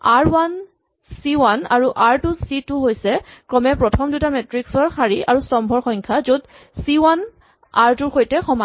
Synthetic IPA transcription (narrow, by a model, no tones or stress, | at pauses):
aɹwan | siwanaɹuʔaɹtusitʊɦojsɛkɹɔmɛpɹɔtʰɔmdutamɛtɹiksɔɹxaɹiaɹusɔmbʱɔɹxɔjŋkʰazud | siwan | aɹtuɹxojtɛxɔma